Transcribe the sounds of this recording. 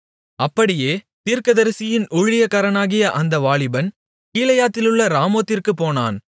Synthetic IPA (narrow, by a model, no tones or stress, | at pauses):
ɐpːɐɽɪjeː | t̪iːɾkɐðɐɾsɪjɪnʊɻɪjɐkːaːɾɐnaːɣɪjɐʔɐnd̪ɐʋaːɭɪbɐn | kiːlɐjaːt̪ːɪlɯɭːɐɾaːmoːt̪ːɪrkɯpoːna̰ːn